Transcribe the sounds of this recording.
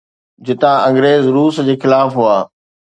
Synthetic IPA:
d͡ʑɪt̪ãʔɐ̃ŋɡɾeːzɾuːsd͡ʑeːxɪlaːfɦuaː

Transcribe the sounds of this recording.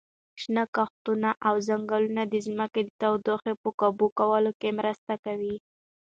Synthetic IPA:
ʃnakaxt̪unaʔawzaŋɡalunad̪əzməked̪ət̪awd̪oxepəkabukawəlokemɾəst̪akawi

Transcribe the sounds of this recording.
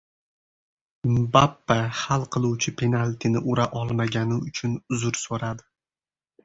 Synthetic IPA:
bapːahalˠqʰɨlˠuwt͡ʃʰɪpʰe̞nalʲt̪ʰinɪʔʊɾaʔɒlˠmaɡʲanɪʊt͡ʃʰʊnʊzʊɾsoɾad̪ɪ

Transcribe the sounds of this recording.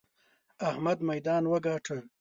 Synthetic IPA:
ahmad̪majd̪ɑːnwəɡɑːʈʰəl

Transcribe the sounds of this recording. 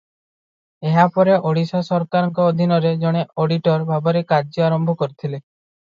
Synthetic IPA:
eɦapɔɾeʔoɽisɔsɔɾkaɾɔŋkɔːd̪ʱinɔɾed͡ʒɔɽ̃eoɽiʈɔɾbʱabɔɾekaɾd͡ʒɔaɾɔmbʱɔkɔɾit̪ʰile

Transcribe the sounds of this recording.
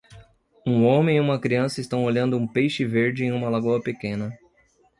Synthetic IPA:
ũõmẽj̃ũmɐkɾiɐ̃sɐɪst̪ɐ̃w̃oʎɐ̃nd̪ʊũpejʃɪveɾd͡ʒɪẽj̃ũmɐlaɡuɐpekẽnɐ

